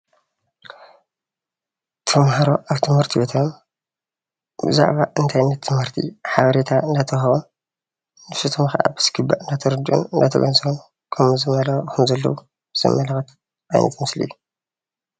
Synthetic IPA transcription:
t̪ʰɨmhaɾo̞ʔaβt̪ʰɨmhɨɾt̪ʰiwɔt̪ʰam | bɨza̰ʕβaʔɨnt̪ʰajnːɐt̪ʰːɨmhɨɾt̪ʰḭħaβɐɾet̪ʰaɨnd̪at̪ʰɐxɐβo | nɨfsut̪ʰɨmxʔa̰bɨ̥sɡɨbːaʔɨnd̪at̪ʰɐɾɨd̪ʔṵnɨnd̪at̪ʰɐ̰ɡɐ̰nzom | kʰɐmzɨmɐlɐxkʰɨmzɐlːɐ̰wu | z̥ɐ̰mːɐlɐxɐt̪ | ʔaj̰nʔɐ̰t̪mɨslḭʔijːu

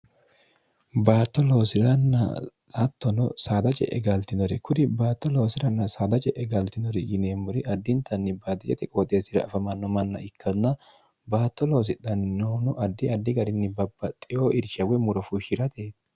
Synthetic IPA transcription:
baːt̪ːɔlo̞ːsɪɾɐnːɐ̰ | sɐt̪ːɔnɔ̰saːd̪ɐt͡ʃʼɛ̰ʔɛɡɐlt̪ɪnɔɾɛkʊɾɪbaːt̪ːɔlo̞ːsɪɾɐnːɐsaːd̪ɐt͡ʃʼɛʔɛɡɐlt̪ɪnɔɾɪjɪneːmːʊɾɪʔɐd̪ːɪnt̪ɐnːɪbaːd̪ɪt͡ʃʼɛt̪ɛkʼoːt̪ʼeːsɪɾɐ̰ɐfɐmɐnːɔmɐnːɐ̰ɪkʰːɐnːɐ | baːt̪ːɔlo̞ːs̬ɪᶑ̪ɐnnoːnɔʔɐd̪ːɪɐd̪ːɪɡɐɾɪnːɪbɐbːɐt̪ʼːɪjoːʔɪɾʃɐwɛmʊɾɔfuʃɪɾɐt̪eː

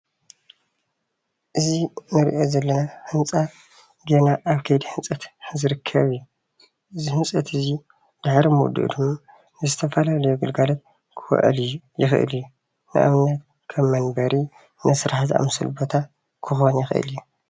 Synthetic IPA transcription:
ʔɨzinɨɾḭʔo̞zɐlːɐnahɨnt͡sʼa | ɡenaʔaβkʰɐjd̪ihɨnt͡sʼɐt̪zɨɾɨkʰːɐβijːu | ʔɨzihɨnt͡sʼɐt̪ʰɨzi | d̪̥ɨħɾimud̪ṵʔd̪ɨmːa | nɨzɨt̪ʰɐfɐlalɐjoɡɨlɡalot̪̚ | kʰɨw̰ʔlujɪxɨ̰ʔɨ̰ljːu | nɨ̰ʔa̰βnat̪̚ | kʰɐmːɐnbɐɾi | nʔɨsɨɾaħziʔa̰mɨsɨ̰lbot̪ʰa | kʰɨxo̞njixɨʔɨ̰ljːu

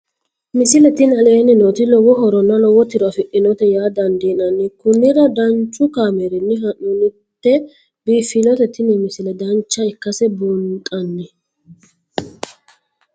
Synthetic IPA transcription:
mɪsɪlɛt̪ɪnɐleːnːɪnot̪ɪlɔwɔɦɔɾɔnːɐlɔwɔt̪ːɪɾɔɐfɪʔɪnɔt̪ɛjaːd̪ɐnd̪iːnɐnːɪkʊnːɪɾɐd̪ɐnt͡ʃʼːʊkaːmeɾɪnːɪɦɐnʊnʊ | t̪ːɛ | biːfːɪnɔt̪ɛt̪ːɪnɪmɪsɪlɛd̪ɐnt͡ʃːɐɪkːɐsɛbunt̪ʼɐnːɪ

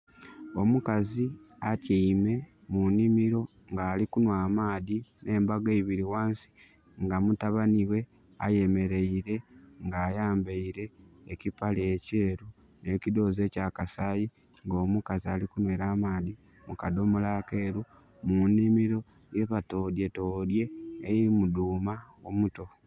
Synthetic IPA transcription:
o̞mukaziatiime̞ | munimiɾo̞ | ŋɡaːlikunwaːmaːðinʔe̞ːmbaɡeiβiɾiwaːnsi̥ | ŋɡamutaβaniwe̞ | a̰je̞me̞ɾe̞iɾe̞ŋɡaːjaːmbeiɾe̞ːcipalece̞ːɾu | ne̞cido̞ːze̞ːcakasaːji | ŋɡo̞ːmukaziaːlikunweːɾaːmaːði | mukado̞mulaːke̞ːɾu | munːimiɾo̞ | je̞βato̞ːdje̞to̞ːdje̞ːjiɾimuduːmaomuto̞

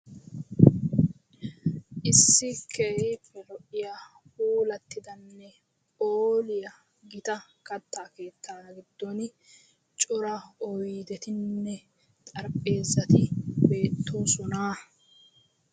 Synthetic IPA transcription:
ʔɪsːɪkʰehiːpːɛlɔʔɪjaːhuːlɐt̪ːɪd̪ɐnːɛ | oːlɪjɐ | ɡɪt̪ɐkɐt̪ːaːke̞ːt̪ːaːɡɪd̪ːɔn | t͡ʃʼʊɾɐɔjd̪ɛt̪ɪnːɛ | t̪ʼɐɾpʼːe̞ːzːɐt̪ɪbe̞ːt̪ʰːuːsʊnaː

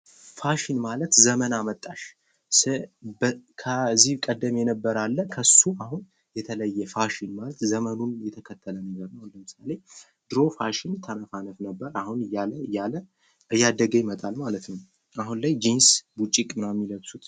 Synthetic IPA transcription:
faʃinmalət̪zəmənamət̪ʼːaʃ | sɨbkʰəzːihkʼəd̪ːəmjɛnəbːəɾalːəkʰəsuahun | jɛt̪ʰələjːɛfaʃinmalət̪zəmənunjɛt̪ʰəkʰət̪ʰːələnəɡəɾnəwləmɨsale̞ | d̪̥ɨɾo̞faʃɪnt̪ʰənəfanəfnəbːəɾahunjaləjalə | ɨjːad̪əɡəjmət̪ʼalmalət̪nəw | aɦunlajd͡ʒinsbut͡ʃʼːikʼmɨnamːiləɡsut̪

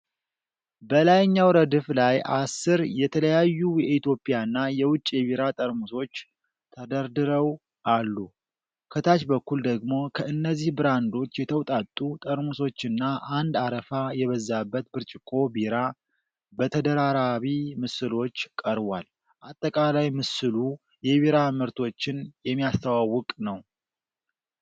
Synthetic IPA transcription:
bəlajɲːawɾəd̪ɨflajʔa̰sːɨɾjɛt̪ʰələjajːujɛit̪jo̞pʼijaɨnːajɛwʊt͡ʃʼːjɛβiɾat̪ʼəɾmuso̞t͡ʃː | t̪ʰəd̪əɾd̪ɨɾəw | ʔalːu | kʰət̪ʰat͡ʃbəkːuld̪əɡmo̞kʰəɨnːəzːihbɨɾand̪o̞t͡ʃːjɛt̪ʰəwt̪ʼat̪ʼːut̪ʼəɾmuso̞t͡ʃːɨnːaʔand̪aɾəfajɛβəzːabːət̪bɨɾt͡ʃʼɪkʼo̞biɾa | bət̪ʰəd̪əɾaɾaβimɨsɨlo̞t͡ʃːkʼəɾβal | ʔat̪ʼːəkʼalajmɨsɨlu | jɛβiɾamɨɾt̪ʰo̞t͡ʃːɪnjɛmːijast̪ʰawawːɔkʼnəw

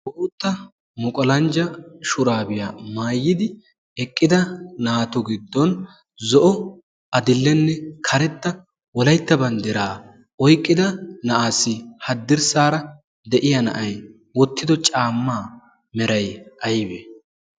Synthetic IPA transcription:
bɔʔuːt̪ːɐ | mʊkʼɔlɐnd͡ʒɐʃʊɾaːbɪjaːmaːjːɪd̪ɪ | ɛkʼːɪd̪ɐnaːt̪ʊɡɪd̪ːɔn | zɔʔɔ | ɐd̪ɪlːɛnːɛkʰɐɾɛt̪ːɐ | wɔlɐjt̪ːɐbɐnd̪ɪɾaː | ɔjkʼːɪd̪ɐnɐʔaːsːɪhɐd̪ːɪɾsaːɾɐ | d̪ɛʔɪjɐnɐ̰ʔɐj | wɔt̪ʰːɪd̪ɔt͡ʃʼaːmːaː | mɛɾɐjɐjbɛ

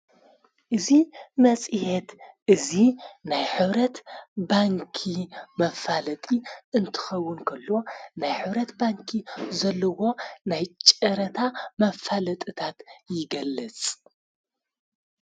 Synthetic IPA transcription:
ʔɨzimɐt͡sʼɨhet̪ʔɨzinajħɨβɾɐt̪baŋkʰimɐfalɐt̪ʼiʔɨnt̪ʰɨ̥xɐwːʊnkʰɐlːo̞najħɨβɾɐt̪baŋkʰizɐlːɐwo̞najt͡ʃʼɐɾɐt̪ʰamɐfalɐt̪ʼɨt̪ʰat̪jɪɡɐlːɨt͡sʼ

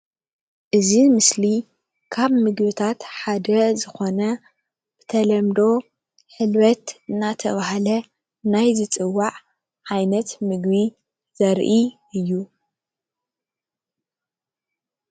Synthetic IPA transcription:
ʔɨzimɨsli | kʰaβmɨɡbɨt̪ʰat̪ħad̪ɐzɨxo̞nɐ | b̥ɨt̪ʰɐlɐmd̪o̞ | ħɨlβɐt̪ɨnːat̪ʰɐβahlɐ | najzɨt͡sʼɨwːaʕ | ʕajnɐt̪mɨɡβi | zɐɾʔiʔɨjːu

